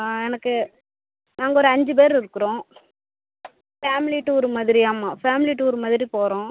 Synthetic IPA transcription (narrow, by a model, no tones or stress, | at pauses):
ɛnɐkːɯ | naːŋɡɐɔɾɯɐɲd͡ʒɯpeːɾɪɾɯkːɯɾõː | faːmɪliʈːɯɔɾɯmɐðɪɾiaːmaːfaːmɪliʈːɯɔɾɯmɐðɪɾipoːɾõː